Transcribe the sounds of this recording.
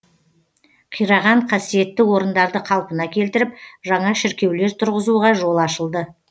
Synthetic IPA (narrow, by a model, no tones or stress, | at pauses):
qʰijɾɑʁɑɴqʰɑsije̞t̪ːɪwo̞ɾənd̪ɑɾd̪əqʰɑlˠpənɑkʲʰe̞lt̪ɪɾɪp̚ʒɑɴɑʃɪɾkʲe̞wle̞ɾt̪ʰʊɾʁəzuʁɑʒo̞lˠɑʃəlˠd̪ə